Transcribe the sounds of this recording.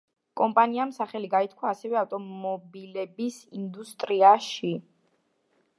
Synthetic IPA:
kʼɔmpʼaniamsaχɛliɡait̪̚ʰkʰwaːsɛvɛaft̪ʼɔmɔbilɛbisind̪ust̪ʼɾiaʃi

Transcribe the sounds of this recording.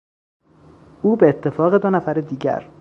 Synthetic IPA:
ʔuːbeːt̪ʰːe̞fɒːɣe̞d̪onæfæɾed̪iːɟæ̰ɾ

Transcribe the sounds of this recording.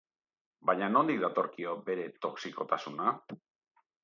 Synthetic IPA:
bajɲano̞nd̪ik̚d̪at̪o̞ɾkio̞be̞ɾe̞t̪o̞ksiko̞t̪asuna

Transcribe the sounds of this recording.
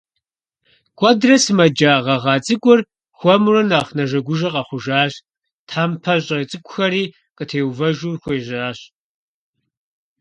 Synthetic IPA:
kʷʼɔdrɐsɨmɐd͡ʒaːʁɐʁɑːt͡sʼɨkʷʼʊr | xʷɔmrɐnaːχnɐʒɐɡʷʊʒɐqʼɐχʷʊʒaːɕ | tʰħaːmpʰɐɕʼɐit͡sʼɨkʷʼʊxɐɾiː | qətʰeːwvɐʒuːrxʷeːʒaːɕ

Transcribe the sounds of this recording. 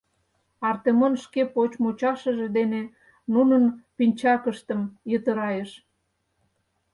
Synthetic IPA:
ɑrt̪emonʃkepot͡ɕmut͡ɕɑʃə̆ʒed̪ene | nunənpinʲt͡ɕɑkəʃt̪əmjət̪əɾɑjeʃ

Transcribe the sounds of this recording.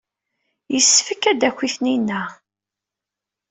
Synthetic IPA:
jəsːfəkːæd̪ækʷːiθninːæ

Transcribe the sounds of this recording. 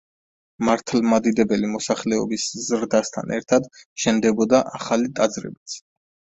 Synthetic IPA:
maɾt̪ʰlˠmad̪id̪ɛbɛlimɔsaχlɛɔ̰biszɾd̪ast̪ʰa̰nɛ̰ɾt̪ʰad̪ʃɛnd̪ɛbɔd̪aʔaχalit̪ʼad̪zɾɛ̰bit̪sʰ

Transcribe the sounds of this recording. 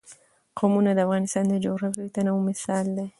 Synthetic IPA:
kʰomunad̪afɣanist̪and̪ed͡ʒoɣɾafit̪anaumɪsalːe

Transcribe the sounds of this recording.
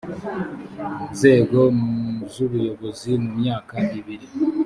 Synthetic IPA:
nze̞ːɡo̞zuβujo̞βo̞zimumɲaːkaʔiβiɾi

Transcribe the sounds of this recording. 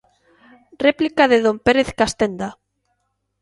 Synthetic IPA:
replikaðeðompeɾeθkast̪end̪a

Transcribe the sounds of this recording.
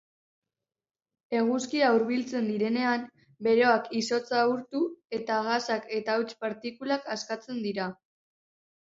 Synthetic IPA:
e̞ɣ̞uskiauɾβilt͡se̞nd̪iɾe̞ne̞am | be̞ɾo̞akiso̞t͡sauɾt̪ue̞t̪aɣasake̞t̪awt͡ʃpaɾt̪ikulakaskat͡se̞nd̪iɾa

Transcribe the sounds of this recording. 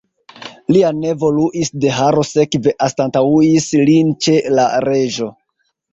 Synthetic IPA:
liane̞vo̞luʔisde̞ɦaɾo̞se̞kve̞ʔastantauislint͡ʃe̞laɾe̞ʒo̞

